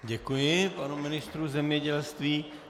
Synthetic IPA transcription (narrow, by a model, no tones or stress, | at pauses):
ɟɛkujɪpanumɪnɪst̪ɾuzɛmɲɛɟɛlst̪viː